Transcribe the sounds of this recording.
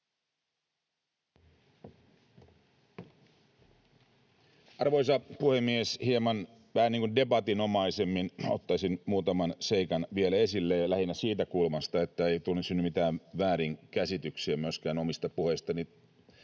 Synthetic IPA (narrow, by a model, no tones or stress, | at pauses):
ʔɑrʋo̞isɑpuhemːieshiemɑn | ʋæhæniːŋkunde̞bɑt̪ino̞mɑisemːinot̪ːɑsinmuːt̪ɑmɑnse̞ikɑnʋielæe̞silːejɑlæhinːæsiːt̪ækulmɑst̪ɑe̞t̪ːæeit̪ulnːesynymit̪æːʋʋæːɾiŋkæsit̪yksiæmyøskæːnomist̪ɑpuhe̞ist̪ɑni